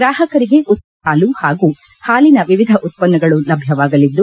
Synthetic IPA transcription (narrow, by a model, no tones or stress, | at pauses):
ɡɾaːɦɐkɐɾiɡe̞ʔut̪̚ | aːluhaːɡu | haːlinɐʋiʋid̪ʱɐʔut̪̚pɐnːɐɡɐɭulɐbʱjɐʋaːɡɐlid̪ːu